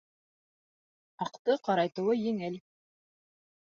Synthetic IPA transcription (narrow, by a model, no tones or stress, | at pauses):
ɑqt̪ɤqɑɾɑjt̪ɤ̆wɤjɘŋɘl